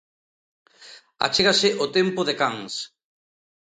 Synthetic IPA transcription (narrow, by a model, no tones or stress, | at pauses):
a̰t͡ʃeɣasɪʔot̪empʊðekaŋs